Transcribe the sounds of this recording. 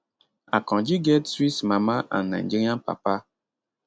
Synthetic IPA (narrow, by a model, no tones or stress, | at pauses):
akɔ̃d͡ʒiɡɛtswismamaʔa̰nna̰n̩d͡ʒiɾampa̰pa